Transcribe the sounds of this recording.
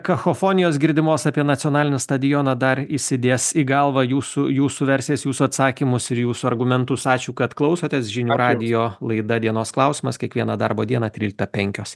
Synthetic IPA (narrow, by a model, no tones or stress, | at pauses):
kɐxoːfoːnʲɪjoːsɡʲɪɾʲd̪ʲɪmoːsɑpʲiɛnɐt̪sʲiɔnɑːlʲɪnʲɪst̪ɐd̪ʲɪjoːnɐd̪ɐɾɪsʲɪd̪ʲeːsiɡɐlˠʋɐjuːsʊjuːsuʋʲɛɾʲsʲjɛsjuːsʊɐt̪sɑːkʲɪmʊsɪɾjuːsʊɐɾɡʊmʲɛnt̪ʊsɑːt͡ʃʲuːkɐt̪klˠɒʊsoːt̪ʲesʒʲɪnʲuːɾɑːd̪ʲɪjoːlˠɐɪd̪ɐd̪ʲiɛnoːsklˠɐʊsʲimɐskʲɛkʋʲiɛnɐd̪ɐrboːd̪ʲiɛnɐt̪ʲɾʲiːlʲɪk̚t̪ɐpʲɛŋʲkʲoːs